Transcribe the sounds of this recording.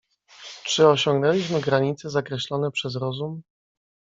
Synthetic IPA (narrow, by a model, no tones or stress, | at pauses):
t͡ʂɘɔɕɔŋɡnɛlʲiɕmɘɡɾaɲit̪sɛzakɾɛɕlɔnɛpʂɛzɾɔzum